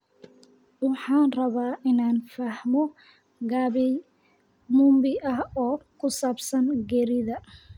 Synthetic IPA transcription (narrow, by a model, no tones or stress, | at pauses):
wɑħɑːnrɐβaːʔɪnaːnfɐhmɔ | ɡaːβɛj | muːmbɪʔɐhɔːkʰʊsaːbsɐnɡɛːɾɪðɐ